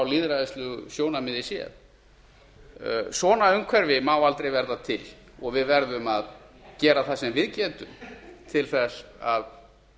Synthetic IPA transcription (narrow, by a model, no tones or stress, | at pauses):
awliːðɾaðɪst̪lʏɣsjoːwnamɪðɪsjɛ̰ð | svɔːnaʏmkʰvɛɾvɪmawalt̪ɾejvɛɾðat̪ʰɪl | ɔɣvɪðvɛɾðʏmaðcɛːɾaθasɛmvɪðcɛːt̪ʏmt̪ʰɪlθɛsað